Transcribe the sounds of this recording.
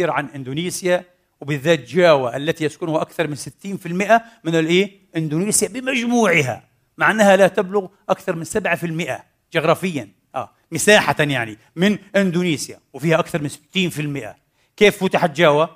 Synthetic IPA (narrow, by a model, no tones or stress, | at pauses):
iːɾʕanʔɪnd̪uːniːsja | wbɪðːaːt̪d͡ʒaːwaʔalːat̪ijaskʊnʊhaʔakθɑɾˤmɪnsɪt̪ːiːnfɪlmɪʔamɪnɪlʔeː | ʔɪnd̪uːniːsjabɪmad͡ʒmuːʕɪɦa̰ | maʕnːahalat̪ablʊɣʔakθɑɾˤmɪnsabʕafɪlmɪʔa̰ | d͡ʒɪɣɾˤɑːfɪjːan | ʔaː | mɪsaːħat̪anjaʕni | mɪnʔɪnd̪uniːsja̰wɪfiːhaʔakθɑɾˤmɪnsɪ̥t̪ːiːnfɪlmɪʔa̰ | keːfːʊt̪aħat̪d͡ʒaːwa